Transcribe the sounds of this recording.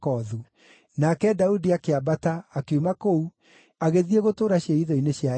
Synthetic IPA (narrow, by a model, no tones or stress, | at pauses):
kɔðu | nakɛdaudiakeabataːkeumakou | aɣeðieɣotoːɾaɕjeiðɔineɕja